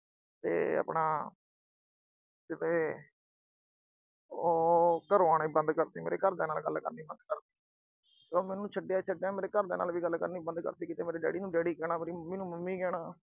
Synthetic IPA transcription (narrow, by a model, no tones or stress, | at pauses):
t̪ḛːə̰pɳaː | d͡ʒɪt̪eː | oːkəɾaːnːiːbə̃nd̪kəɾt̪iːmḛɾḛːkəɾd̪eːnaːlɡəlkə̰ɾniːbə̃nd̪kəɾt̪iː | soːmɛːnũːt͡ʃʰəɖjaːt͡ʃʰəɖjaːmeːɾeːkəɾd̪eːna̰ːlʋiːɡəlːkəɾniːbənd̪kə̰ɾt̪iːkɪt̪eːmeːɾeːɖɛ̰ːɖiːnũːɖɛːɽiːkɛːɽ̃aːmeːɾiːməmiːnũːməmːiːkɛːɳaː